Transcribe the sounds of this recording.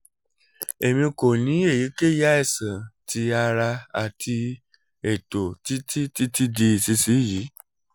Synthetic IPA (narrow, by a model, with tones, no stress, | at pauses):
e˨mĩ˧ko˨nĩ˨˦e˦˨ji˨˦ke˦ja˦ɛ˦˨sã˨ti˧a˧ɾa˧a˨tʰi˧ | e˨to˨ti˦ti˦ti˦ti˦di˧i˨si˧si˨˦ji˨˦